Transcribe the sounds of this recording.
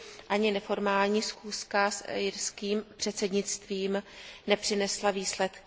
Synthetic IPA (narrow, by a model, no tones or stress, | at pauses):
ʔaɲɪnɛfo̞ɾmaːlɲiːsxuːskasjɪɾskiːmpr̝̥ɛt̪sɛdɲɪt͡st̪viːmnɛpr̥ɪnɛslaviːslɛt̪k